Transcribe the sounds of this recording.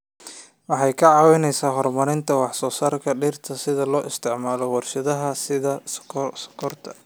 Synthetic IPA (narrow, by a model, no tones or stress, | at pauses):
wɑħɑjkʰɐʕɑːwɪnɛjsaːɦɔrmɐɾɪnt̪ʰɐwɑħsɔːsaːrkʰɐɖiːrt̪ʰɐsɪðɐlɔːʔɪst̪ʰɪʕmaːlɔwɑrʃɐðɐɦɐsɪðɐ̥skʰɔrt̪ʰɐ̥